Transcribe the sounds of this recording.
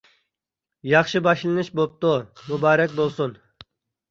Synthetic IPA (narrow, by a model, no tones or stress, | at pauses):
jɑχʃɨbɑʃlˠɨnɨʃbop̚t̪umubɑːɾɛkʲbolˠsun